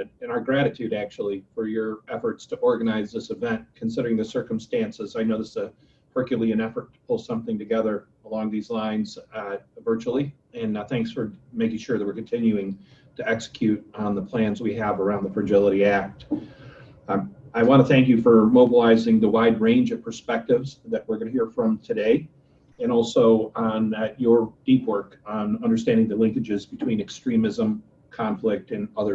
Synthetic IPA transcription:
ɨ̃ñaʊə˞ɡɹæɾɨtʰʉɾæk̚t͡ʃul̩ˠifə˞jə˞ɛfə˞tstʰɨʔɔɹɡɨnaɪzðɪsəvɛ̃nkʰn̩sɪɾə˞ɪ̃ŋðɨsɜ˞kmstæ̃nsəzaɪnoʊðɪszɨ | hʰɜ˞kjlˡiɨ̃nɛfə˞tʰə̥pʰʊlˠsʌ̃mθɪ̃ŋtɨɡɛðə˞ | əlɔ̃ŋðizlãɪ̃nz̥vɜ˞t͡ʃul̩ˠi | ɨ̃nθæ̃ŋksfə˞meɪkɪ̃ŋʃʊɹðɨt̚wɨɹkn̩tʰɪ̃njʉɪ̃ŋtʰɨɛksə̥kʰj̥ʉɾn̩ðəpʰl̥æ̃nzwiɨvə˞ãʊ̃nðəfɹɨd͡ʒɪlˠəɾiæk̚t | aɪwɑ̃ntɨθæ̃ŋk̬jɨfə˞moʊbəlaɪzɪ̃ŋðəwaɪd̚ɹẽɪ̃nd͡ʒʌv̥pʰə˞spɛk̚tɨvzðɨʔ̚wɪɹɡʌnɨhiɹfɹʌ̃mtʰɨdeɪ | ɨ̃ñɔlˠsoʊ̃njə˞d̥ipʰwɜ˞k | n̩ʌ̃ndə˞stæ̃ndɪ̃ŋðɨlɪ̃ŋkɨd͡ʒɪzbɨtʰw̥ĩnɨkstɹ̥ĩmɨzə̃m | kʰɑ̃ɱflɪk̚tɨ̃nʌðə˞

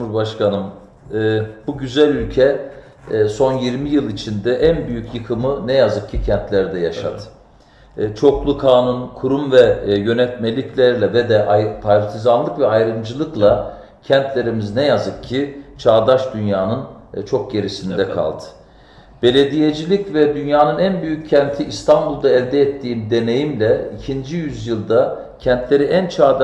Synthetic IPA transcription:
umuɾbaʃkanɯmː | b̥uɟyzælʲylʲcʰɛ | so̞njiɾmijɯlˠit͡ʃʰind̪ɛʔænbyjycjɯkʰɯmɯnɛjazɯk̚cʰːicʰænt̪lʲæɾd̪ɛjaʃa̰t̪ː | t͡ʃʰo̞klˠukʰaːnunkʰuɾumvɛjø̞nɛt̪me̞lʲiclʲæɾlʲɛvɛd̪ɛʔajpʰaɾɾt̪ʰizanlˠɯkvɛajɾɯmd͡ʒɯlˠɯklˠa | cʰɛnt̪lʲe̞ɾimiznɛjazɯkcʰːit͡ʃʰaːd̪aʃd̪ynjaːnɯnt͡ʃʰok̚ɟe̞ɾisind̪ɛkʰa̰lˠd̪ɯ̥ | b̥e̞lʲe̞d̪ije̞d͡ʒilʲicvɛd̪ynjaːnɯnænbyjycʰːɛnt̪ʰiist̪ʰanbulˠd̪aɛlʲd̪ɛːt̪ʰːiːmd̪e̞ne̞jimlʲɛicʰind͡ʒijyzjɯlˠd̪a | cʰɛnt̪ʰlʲe̞ɾiʔænt͡ʃʰaːd̪

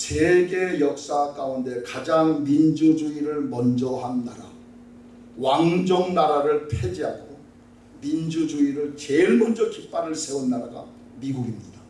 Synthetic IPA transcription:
seɡe̞jʌk̚s͈ak͈aunde̞kad͡ʑaŋmind͡ʑud͡ʑuiɾɯɭmʌnd͡ʑʌɦanːaɾa | waŋd͡ʑoŋnaɾaɾɯɭpʰe̞d͡ʑiɦaɡ͈o | mind͡ʑud͡ʑuiɾɯɭt͡ɕeɭmʌnd͡ʑʌkʰip͈̚aɾɯɭsʰe̞unːaɾaɡa̰ | miɡuɡimɲid̥a

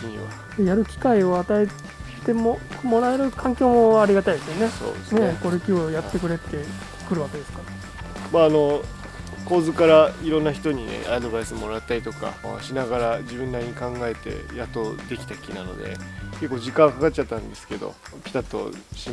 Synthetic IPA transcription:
kiɲiβa̰ | ejaɾɯ̟kʲi̥kaio̞at̪ae̥ | t̪e̞momo̞ɾaeɾɯ̟kʰãŋkʲoːmo̞aɾʲiɡat̪aid̪e̞sɨjone̞so̰ːd̪esneko̞ɾekʲio̞jat̪ːe̞kɯ̟ɾe̞t̪ːe̞ | kɯ̟ɾɯ̟βake̞d̪esɨ̥kaɾa | maːno̞ | ko̞ːzɨkaɾaiɾõ̞nːaçi̥t̪o̞ɲ̟inḛad̪o̞baisɨmo̞ɾat̪ːaɾit̪o̞ka̰ɕinaɡaɾad͡ʑibɯ̃nːaɲikãŋɡae̞t̪e̞̰jat̪ːo̞d̪e̞kʲi̥t̪akʲinano̞̰d̪e̞̰ke̞kːo̞ːʑikãɰ̃kakatt͡ɕːt͡ɕat̪ːãnd̪e̞sɨ̥ke̞d̪o̞̰ | pʲi̥t̪at̪o̰ɕi

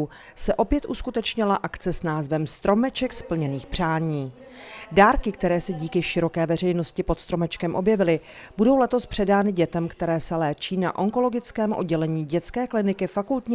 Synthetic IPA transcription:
u | sɛʔo̞pjɛt̪ʔuskut̪ɛt͡ʃɲɪlaʔakt͡sɛsnaːzvɛmst̪ɾo̞mɛt͡ʃɛkspl̩ɲɛniːxpr̝̥aːɲiː | daːɾkɪkt̪ɛɾɛːsɛɟiːkɪʃɪɾo̞kɛːvɛr̝ɛjno̞scɪpot̪st̪ɾomɛt͡ʃkɛmʔo̞bjɛvɪlɪ | budo̞wlɛt̪o̞spr̝̥ɛdaːnɪɟɛt̪ɛmkt̪ɛɾɛːsɛlɛːt͡ʃiːna̰ʔo̞ŋko̞lo̞ɡɪt͡skɛːmʔo̞̰d̚ɟɛlɛɲiːɟɛt̪t͡skɛːklɪnɪkɪfakult̪ɲ

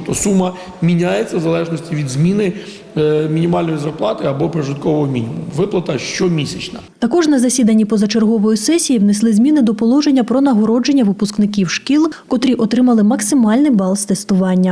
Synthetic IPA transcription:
t̪ɔsumːɐ | mʲinʲajet͡sʲːɐʋzɐlˠɛʒnɔsʲtʲiʋʲid̪zmʲinɪ | mʲinʲimɑlʲnɔjizɐrplˠɑt̪ɪɐbɔpɾɪʐɪt̪kɔʋɔɦɔmʲinʲimʊʋɪplˠɐt̪ɐʃt͡ʃɔmʲisʲɐt͡ʃnɐt̪ɐkɔʒnɐzɐsʲid̪ɐnʲːipɔzɐt͡ʃerɦɔʋɔjisɛsʲijiwneslˠɪzmʲinɪd̪ɔpɔlˠɔʒe̞nʲːɐpɾɔnɐɦɔɾɔd͡ʒe̞nʲːɐʋɪpʊsknɪk̬ʲiwʃkʲilˠkɔt̪ɾʲiʔɔt̪ɾɪmɐlˠɪmɐksɪmɑlʲnɪjbɑlˠst̪est̪ʊʋɑnʲːɐ

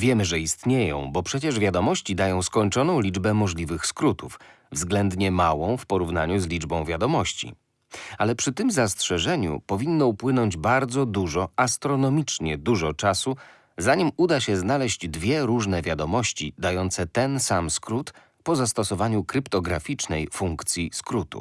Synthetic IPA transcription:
vʲjɛmɘʐɛist̪ɲejɔ̰̃w̃bɔpʂɛt͡ɕɛʐvʲjad̪ɔmɔɕt͡ɕid̪ajɔ̃w̃skɔɲt͡ʂɔnɔ̃w̃lʲid͡ʐbɛmɔʐlʲivɘxskɾut̪uf | vzɡlɛnd̪ɲɛmawɔ̃w̃fpɔɾuvnaɲuzlʲid͡ʐbɔ̃w̃vʲjad̪ɔmɔɕt͡ɕḭ | alɛpʂɘt̪ɘmzastʂɛʐɛɲṵpɔvʲinːɔupwɘnɔɲd͡ʑbaɾd̪zɔd̪uʐɔast̪ɾɔnɔmʲit͡ʂɲɛd̪uʐɔt͡ʂasu | zaɲimud̪aɕɛznalɛʑd͡ʑd̪vʲjɛɾuʐnɛvʲjad̪ɔmɔɕt͡ɕid̪ajɔnt̪sɛt̪ɛnsamskɾut̪ | pɔzast̪ɔsɔvaɲukɾɘpt̪ɔɡɾafʲit͡ʂnɛjfuŋkt̪sʲjiskɾut̪ṵ

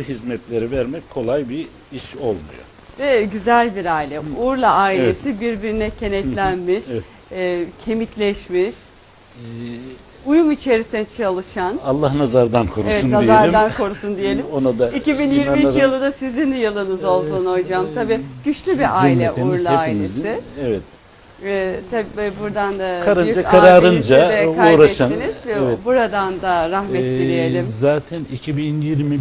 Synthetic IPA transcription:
uɦizmɛt̪lʲeɾivæɾmɛckʰo̞lˠajbi | iʃo̞lˠmṵjo̰ | vɛɟyzælʲbiɾaːilʲɛuɾlˠaaːilʲe̞sibiɾbiɾinɛcʰe̞nɛt̪lʲænmiʃː | cʰe̞miclʲɛʃmiʃ | ujumit͡ʃʰe̞ɾisint͡ʃʰalˠɯʃanalˠːahnazaɾd̪ankʰoɾuesvɛtunnaizaɾd̪ankʰo̞ɾusund̪ijelʲimonad̪aicibinjiɾmijɯlˠɯd̪asizind̪ɛjɯlˠɯnɯzo̞lˠsunojd͡ʒaːmt̪ʰabiːɟ̥yt͡ʃlʲybiʔailʲɛʔujɾlˠheaːilmʲezsɪɛvɛt̪ | ɛːt̪ʰabbuɾd̪and̪akʰaɾɯnyd͡ʒaaɾaːɾɯnd͡ʒaɛkauːɾaɛʃaninizvɛbuɾad̪and̪aɾahmɛiijelʲimmzaːt̪ʰɛnicʰibinjiɾmi

